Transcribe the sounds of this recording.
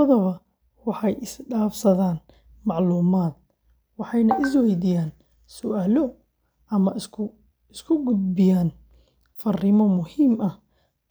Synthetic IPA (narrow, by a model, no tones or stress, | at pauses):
ðɐβɐ | wɑħɑjɪsɖaːfsɐðaːn | mɑʕluːmaːd̪̚ | wɑħɑjnɐʔɪs̬wɛjd̪ɪjaːn | sʊʔaːlɔ | ɐmɐ | ɪskʰʊɡʊd̪̚bɪjaːn | fɐrɪmɔmʊhiːmɐh